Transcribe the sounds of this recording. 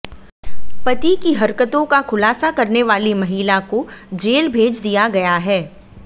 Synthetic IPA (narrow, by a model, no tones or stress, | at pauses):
pɐt̪ikiɦɐɾkət̪õkaxʰʊlaːsakɐɾneʋaːlimɐɦiːlakod͡ʒeːlbʱeːd͡ʒd̪ijaɡɐjaɦɛː